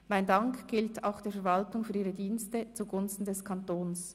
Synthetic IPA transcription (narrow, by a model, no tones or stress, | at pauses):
maɪndɑŋkɡ̥ɪltʰa̰ʊxd̥eːfɛɐɾvɑltʊŋfyːɐɾiːʁədiːnstət͡suɡʊnstn̩dɛskʰantoːns